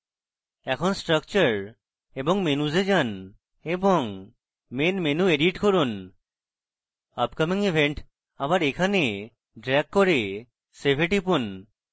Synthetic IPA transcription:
ɛkʰɔnsʈɾək̚t͡ʃəɾ | ebɔŋmenuzed͡ʒan | ebɔŋ | menmenueɖiʈkoɾun | ʌpkamiŋibʱeɳʈ | abaɾekʰane | ɖɾɛkːoɾe | sebʱeʈipun

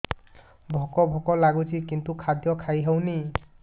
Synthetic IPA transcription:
bʱɔkɔbʱɔkɔlaɡusikintukʰadjɔkʰajɦəwni

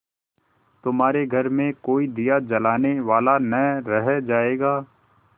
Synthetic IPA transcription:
t̪ʊmɦaːɾeɡʱɐɾmẽkoːid̪ijad͡ʒɐlaːneʋaːlanɐɾɛɦd͡ʒaːeːɡaː

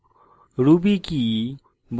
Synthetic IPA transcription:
ɾubiki | b

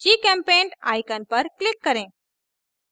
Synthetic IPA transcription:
d͡ʒikɛ̃mpẽːɳɖa̰ːjkənpəɾklɪkːəɾẽː

